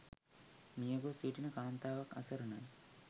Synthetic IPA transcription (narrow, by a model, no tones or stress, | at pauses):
nijɐɡosiːʈinɨkaːnt̪aːʋɐkɐ̰sɐɾunɐj